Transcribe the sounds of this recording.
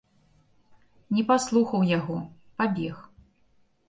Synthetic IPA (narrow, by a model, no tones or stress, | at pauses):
nʲɛpaslˠuxɐwjaɣɔpabʲɛx